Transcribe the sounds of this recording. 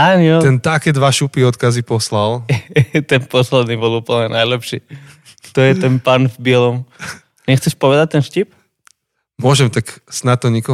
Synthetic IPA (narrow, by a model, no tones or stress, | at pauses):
aɲɔt̪ɛnt̪akɛd̪ʋaʃupiɔt̪kazipɔslal | t̪ɛnpɔslɛd̪nibɔlˠupl̩ɲɛnajlɛpʃi | t̪ɔjɛt̪ɛnpanvbɪɛlɔm | ɲɛxt͡sɛʃpɔʋɛd̪ac̚t̪ɛnʃcip | mʊɔʒɛmt̪aksnat̪ːɔɲikɔ